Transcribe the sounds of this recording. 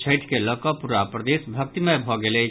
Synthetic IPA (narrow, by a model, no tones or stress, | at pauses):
t͡ʃʰeɪʈʰkelɔkɔpuɾapɾəd̪eːsbʱɐk̚t̪imẽbʱɔɡele